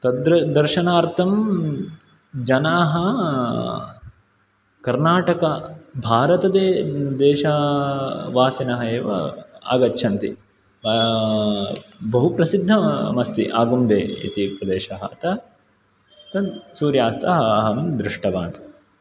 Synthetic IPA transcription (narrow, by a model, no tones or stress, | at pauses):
t̪ɐd̪ɾɐd̪ɐɾʃɐnaːɾt̪ʰɐm | d͡ʒɐnaːɦɐ | kɐɾnaːʈɐkɐbʱaːɾɐt̪ɐd̪eːd̪eːʃaː | ʋaːsinɐɦɐeːʋɐ̰a̰ːɡɐtːʃʰɐnt̪ḭ | bɐɦupɾɐsid̪ʱːɐmɐst̪ḭʔaːɡumd̪ḛːḭt̪ipɾɐd̪eːʃɐɦɐɐt̪ɐ | t̪ɐsuːɾjaːst̪ʰɐɦɐːɦɐmd̪ɾɪʂʈɐbaːɳɐ